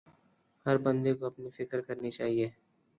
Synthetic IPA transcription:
hɐɾbɐ̃nd̪ekoɐpnifɪkəɾkɐɾnit͡ʃaːɦieː

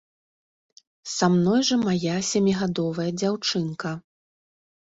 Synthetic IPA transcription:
samnɔjʐɐmajasʲamʲiɣad̪ɔvɐjɐd͡zʲawt͡ʂɨnkɐ

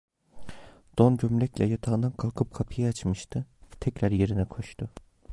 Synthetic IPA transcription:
d̪̥onɟømlʲɛclʲɛjat̪ʰaɯnd̪ankʰalˠkʰɯp̚kʰapʰɯjaat͡ʃmɯʃt̪ʰɯt̪ʰɛcɾaɾje̞ɾinɛkʰo̞ʃt̪ʰʊ

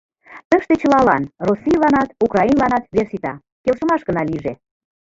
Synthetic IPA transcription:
t̪əʃt̪et͡ɕə̆lɑlɑnrosːilɑnɑt̪ukrɑinlɑnɑt̪βersit̪ɑ | kelʃə̆mɑʃɡə̆nɑliʒe

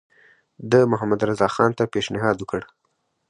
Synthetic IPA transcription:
d̪əmʊɦamad̪ɾazɑxɑnt̪apeʃnɪɦɑd̪wəkəɽ

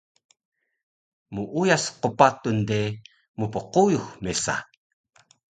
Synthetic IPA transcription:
muʔujasqəpat̪unde | mupəqujuxmesa̰

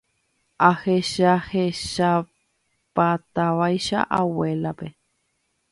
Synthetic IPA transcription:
aheʃaheʃa | pat̪aʋajʃa̰ʔawe̞lape̞

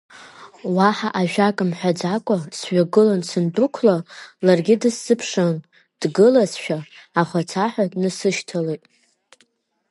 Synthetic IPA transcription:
waħaʔaʒᶣakʼɨmħʷᶣad͡zakʷʼasɥʷᶣaɡɨlansɨndukʷʰlalarɡʲɪdɨsːɨpʰʂan | d̥ɡɨlasʃᶣaːχʷat͡sʰaħʷᶣadnɨsɨʃtʰalejtʼ

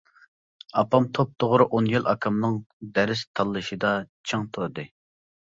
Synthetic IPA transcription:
ɑpʰɑmt̪ʰop̚t̪ʰoʁɾɨʔonjilɑ̰kʰɑmnɨŋd̪ɛɾɪst̪ʰɑlˠːɨʃid̪ɑt͡ʃʰɨŋt̪ʰoɾd̪ɨ

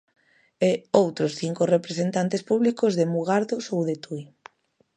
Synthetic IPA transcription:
eowt̪ɾosθiŋkorepɾesent̪ant̪espuβlikozðemuɣaɾðosowðet̪uj

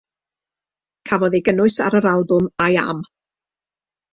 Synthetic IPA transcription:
kʰavɔðeɡənʊɨsa̰ɾəɾalˠbʊmaja̰m

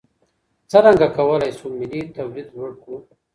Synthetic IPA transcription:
t͡səɾaŋɡakawəlajsumilit̪awlid̪lwəɽku

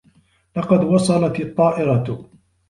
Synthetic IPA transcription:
lɑqɑd̪wɑsˤɑlɑt̪ɑt̪ˤːɑːʔɪɾɑt̪

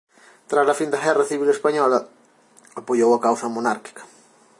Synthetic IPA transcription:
t̪ɾazlɐfind̪ɐɣɛrɐθiβ̞ilespaɲɔlɐ | apoʎowɐkawsɐmonaɾki̥kɐ̥

